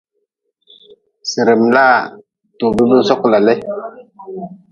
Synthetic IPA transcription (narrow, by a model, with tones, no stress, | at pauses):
si˨ɾe˨mla˦˨ | to˨bi˦mi˦sɔ˦kla˨le˦